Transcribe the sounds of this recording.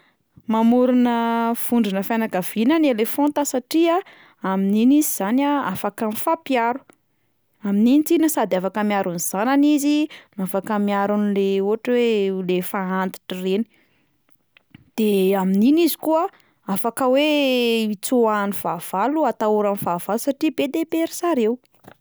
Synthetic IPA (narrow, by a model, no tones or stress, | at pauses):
mamuɾunəv̥uɳɖ͡ʐinəfanaɡav̥inənielefont̪asaʈ͡ʂia | amininiziz̥anaafakanifapjaɾu̥ | amininit̪inəsad̪afakəmiaɾuniz̥ananizinafakəmiaɾunileuaʈ͡ʂwelefaant̪i̥ʈ͡ʂireni̥ | d̪̥eamininizi̥kuə | afakəweit͡suaniv̥av̥aluat̪auɾanivav̥alusaʈ͡ʂibed̪epeɾisaɾew